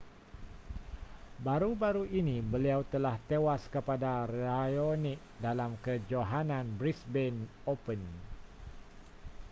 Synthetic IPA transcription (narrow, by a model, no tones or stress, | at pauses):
baɾubaɾuʔinibəliawt̪əlaht̪ewaskəpadarajonik̚ | dalamkəd͡ʒoɦananbɾisbɛnopən